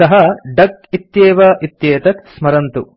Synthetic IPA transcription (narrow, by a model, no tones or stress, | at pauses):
ɐɦɐɖɐk̚it̪jeːʋɐʔit̪jeːt̪ɐk̪smɐɾɐnt̪u